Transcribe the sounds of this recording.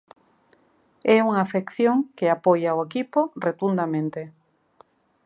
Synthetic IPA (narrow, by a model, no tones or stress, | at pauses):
ɛuŋafekθjoŋkeapojaoekiporet̪und̪amẽnt̪e